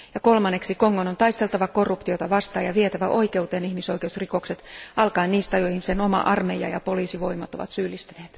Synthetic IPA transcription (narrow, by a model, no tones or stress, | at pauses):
jɑkolmɑnːeksiko̞ŋːonont̪ɑist̪elt̪ɑʋɑkorːupt̪iot̪ɑʋɑst̪ɑːjɑʋiet̪æʋæʔo̞ike̞ut̪eːnihmiso̞jkeusriko̞kset̪ɑlkɑiniːst̪ɑjoihinseno̞mɑ̰ʔɑrmejɑ̰jɑ̰po̞liːsiʋo̞imɑt̪o̞ʋɑ̰t̪syːlːist̪yneːt̪